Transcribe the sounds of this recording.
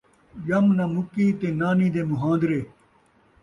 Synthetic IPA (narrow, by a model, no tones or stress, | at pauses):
jɐmnɐmukiːt̪enaːniːd̪emuɦãːnd̪ɾeː